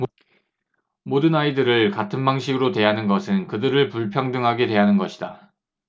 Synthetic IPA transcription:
modɯnaidɯɾɯɭkatʰɯnbaŋɕʰiɡɯɾotwe̞ɦanɯnɡʌsʰɯnkɯdɯɾɯɭpuɭpʰjʌŋdɯŋɦaɡedwe̞ɦanɯnɡʌɕʰi̥da

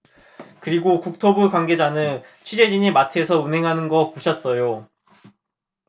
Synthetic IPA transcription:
kɯɾiɡokuk̚tʰobukwanɡe̞d͡ʑanɯnt͡ɕʰɥid͡ʑe̞d͡ʑiɲimatʰe̞sʰʌunɦe̞ŋɦanɯnɡʌpoɕʰʌts͈ʌjo

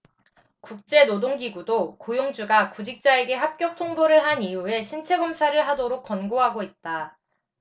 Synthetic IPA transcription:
kuk̚t͡ɕ͈e̞nodoŋɡiɡudokojoŋd͡ʑuɡakud͡ʑik̚t͡ɕ͈ae̞ɡe̞ɦap̚k͈jʌk̚tʰoŋboɾɯɭɦaniue̞ɕʰint͡ɕʰe̞ɡʌmsʰaɾɯɭɦadoɾok̚k͈ʌnɡoɦaɡoit̚t͈a

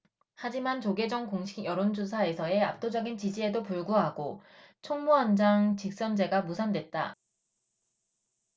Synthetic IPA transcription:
had͡ʑimant͡ɕoɡe̞d͡ʑʌŋkoŋɕʰiɡjʌɾond͡ʑusʰae̞sʰʌe̞a̰p̚t͈od͡ʑʌɡint͡ɕid͡ʑie̞dopuɭɡuɦaɡot͡ɕʰoŋmuɦand͡ʑaŋt͡ɕik̚s͈ʌnd͡ʑe̞ɡamusʰandwe̞t̚t͈a̰

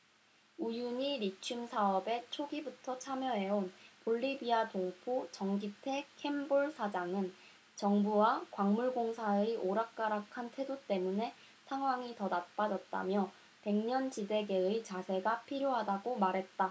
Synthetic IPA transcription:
ujuɲiɾit͡ɕʰumsʰaʌbe̞t͡ɕʰoɡibutʰʌt͡ɕʰamjʌɦe̞onpoʎːibiatoŋpʰut͡ɕʌŋɡitʰe̞kʰe̞mboɭsʰad͡ʑaŋɯn | t͡ɕʌŋbuwakwaŋmuɭɡoŋsʰaeʔoɾak̚k͈aɾakʰantʰwe̞dot͈e̞mune̞ | sʰaŋɦwaŋitʌnap͈ad͡ʑʌt̚t͈a̰mjʌ | pe̞ŋɲʌnd͡ʑide̞ɡe̞ɯt͡ɕasʰe̞ɡapʰiɾjoɦadaɡomaɾɦe̞t̚t͈a

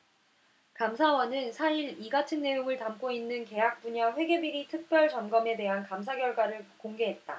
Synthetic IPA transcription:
kamsʰawʌnɯnsʰaiɾiɡatʰɯnːe̞joŋɯɭtamk͈oinːɯnke̞ɦak̚p͈uɲaɸwe̞ɡe̞biɾitʰɯk̚p͈jʌɭt͡ɕʌnɡʌme̞te̞ɦankamsʰaɡjʌɭɡwaɾɯɭkoŋɡe̞ɦe̞t̚t͈a

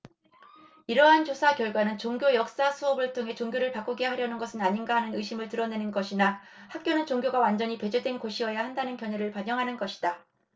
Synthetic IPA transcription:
iɾʌɦant͡ɕosʰakjʌɭɡwanɯnt͡ɕoŋɡjojʌk̚s͈asʰuʌbɯɭtʰoŋɦe̞t͡ɕoŋɡjoɾɯɭpak͈uɡe̞ɦaɾjʌnɯnɡʌsʰɯnaɲinɡaɦanɯnɯɕʰimɯɭtɯɾʌne̞nɯnɡʌɕʰina | hak̚k͈jonɯnt͡ɕoŋɡʲjoɡawand͡ʑʌɲipe̞d͡ʑedwe̞nkoɕʰiʌjahandanɯnkjʌɲeɾɯɭpaɲʌŋɦanɯnɡʌɕʰi̥d̥a

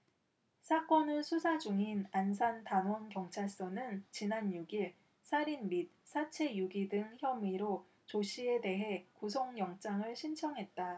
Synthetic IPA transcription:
sʰak͈ʌnɯsʰusʰad͡ʑuŋinansʰantanwʌnkjʌŋt͡ɕʰaɭs͈ʌnɯnt͡ɕinanjuɡiɭ | sʰaɾinmit̚s͈ʰat͡ɕʰe̞juɡidɯŋçjʌmiɾo | t͡ɕoɕʰie̞de̞ɦe̞kus̬ʰoŋjʌŋt͡ɕ͈aŋɯɭɕʰint͡ɕʰʌŋɦe̞t̚t͈a

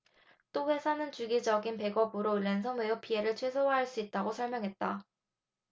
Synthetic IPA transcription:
t͈oɸwe̞sʰanɯnt͡ɕuɡid͡ʑʌɡinpe̞ɡʌbɯɾoɭːensʰʌmejopie̞ɾɯɭt͡ɕʰwe̞sʰoɦaɦaɭs͈uit̚t͈aɡosʰʌɭmjʌŋɦe̞t̚t͈a

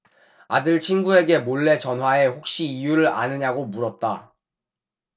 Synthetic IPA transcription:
adɯɭt͡ɕʰinɡue̞ɡe̞moɭːe̞t͡ɕʌnɦwae̞ɸok̚ɕ͈iːjuɾɯɾa̰nɯɲaɡomuɾʌt̚t͈a

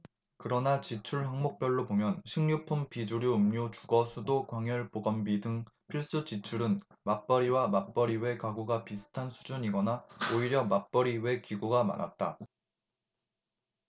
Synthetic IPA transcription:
kɯɾʌnat͡ɕit͡ɕʰuɭɦaŋmok̚p͈jʌɭːobomjʌnɕʰiŋɲupʰumpid͡ʑuɾjuːmɲot͡ɕuɡʌsʰudokwaŋjʌɭpoɡʌmbidɯŋpʰiɭs͈ut͡ɕit͡ɕʰuɾɯn | map͈ʌɾiwamap͈ʌɾiwe̞kaɡuɡapisʰɯ̥tʰansʰud͡ʑuɲiɡʌnaoiɾjʌmap͈ʌɾiwe̞kiɡuɡama̰na̰t̚t͈a

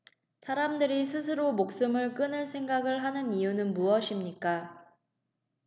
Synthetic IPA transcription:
sʰaɾamdɯɾisʰɯsʰɯɾomok̚s͈ɯmɯɭk͈ɯnɯɭsʰe̞ŋɡaɡɯɭɦanɯnijunɯnmuʌɕʰimɲik͈a

